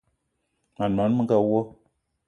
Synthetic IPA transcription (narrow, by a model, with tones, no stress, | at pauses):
ma˨na˨˦n˦mɨ˦ŋ˦ka˦wo˦